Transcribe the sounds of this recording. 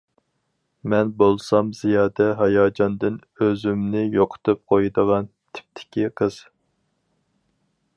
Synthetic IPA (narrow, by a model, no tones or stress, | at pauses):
mɛnbolˠsɑmz̥ijɑːd̪ɛɦɑjɑːd͡ʒɑnd̪ɨnøzymnɪjoqʰʊ̥t̪ʰɨp̚qʰojd̪əʁɑn | t̪ʰɪ̥p̚t̪ʰɪ̥kʲʰiqʰəz̥